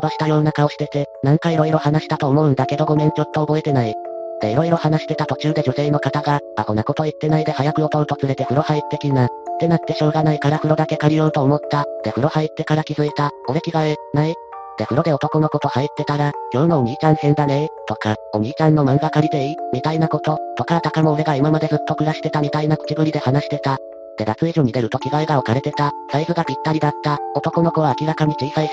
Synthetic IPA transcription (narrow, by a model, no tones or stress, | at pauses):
baɕi̥t̪ajo̞ːnakaoɕi̥t̪e̞t̪e̞nãŋkaiɾo̞iɾo̞hanaɕi̥t̪at̪o̞ːmo̞ɯ̟̃nd̪ake̞d̪o̞ɡo̞mẽ̞ɲ̟t͡ɕo̞t̪ːoːbo̞e̞t̪e̞naid̪e̞iɾo̞iɾo̞hanaɕi̥t̪e̞t̪at̪o̞t͡ɕɨːd̪e̞ʑo̞se̞ːno̞kat̪aɡa | akonako̞t̪o̞it̪ːe̞naid̪e̞hajakɯ̟o̞t̪o̞ɾɯ̟t̪o̞t͡sɨɾe̞t̪e̞ɸɯ̟ɾo̞hait̪ːe̞kʲinad̪̥e̞nat̪ːe̞ɕo̞ːɡanaikaɾaɸɯ̟ɾo̞d̪ake̞kaɾʲio̞ɯ̟t̪o̞ːmo̞t̪ːat̪e̞ɸɯ̟ɾo̞hait̪ːe̞kaɾakʲizɨit̪ao̞ɾe̞kʲiɡaenai | t̪eɸɯ̟ɾod̪e̞o̞t̪o̞ko̞noko̞t̪o̞hait̪ːe̞t̪aɾaɡʲo̞ɯnooɲ̟iːt͡ɕãɰ̃hẽ̞nd̪anet̪o̞kao̞ɲ̟iːt͡ɕãnːo̞mãŋɡakaɾʲid̪e̞imʲit̪ainako̞t̪o̞t̪o̞kaɾat̪akamo̞ɯ̟ɾe̞ɡaimamad̪e̞zɨt̪ːo̞kɯ̟ɾaɕi̥t̪e̞t̪amʲit̪ainako̥t͡ɕiɡɯ̟ɾʲid̪e̞hanaɕi̥t̪e̞t̪a | t̪e̞ɡat͡sɨeʑoɲ̟id̪e̞ɾɯ̟t̪o̞kʲiɡaeɡaokaɾe̞t̪e̞t̪asaisɨɡapʲit̪ːaɾʲid̪at̪ːao̞t̪o̞ko̞no̞ko̞βaːkʲiɾakaɲ̟it͡ɕiːsai